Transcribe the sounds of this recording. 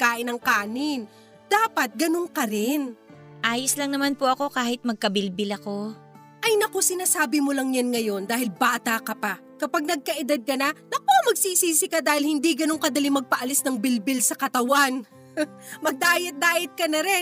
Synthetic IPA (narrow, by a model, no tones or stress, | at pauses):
kaːʔɪnɐŋkaːnɪn | d̪̥aːpɐt̪̚ɡɐno̞ŋkɐɾɪnʔaːjɪslɐŋnɐmanpoʔɐko̞kaːhɪt̪̚mɐɡ̚kɐbɪlbɪlɐko̞ | ʔɐjnɐko̞sɪnaːsaːbɪmolɐŋjanŋɐjo̞nd̪aːhɪlbaːt̪akɐpa | kɐpaɡ̚nɐɡ̚kɐʔɪd̪ad̪̚kɐnɐnɐko̞mɐɡ̚siːsiːsɪkɐd̪aːhɪlhɪnd̪iɡɐno̞ŋkɐd̪ɐlɪmɐɡ̚pɐʔɐlɪsnɐŋbɪlbɪlsɐkɐt̪ɐwan | mɐɡ̚d̪aːjɐt̪̚d̪aːʔɪt̪̚kɐnɐɾɛ